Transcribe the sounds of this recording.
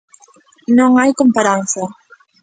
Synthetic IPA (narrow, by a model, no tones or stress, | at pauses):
noŋajkompaɾanθa